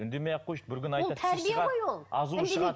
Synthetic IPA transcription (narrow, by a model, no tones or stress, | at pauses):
ʏnd̪emejɑqʰːojʃbɪɾkʲʏnɑjt̪lˠɑt̪ʰæɾbieʁɑojwolˠɑzuʃəɑ